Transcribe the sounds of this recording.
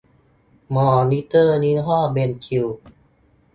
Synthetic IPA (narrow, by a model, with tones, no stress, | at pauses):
mɔː˧˩ni˦˥t̪ɤː˥˩ni˦˥ɦɔː˥˩me˧nkʰi˧w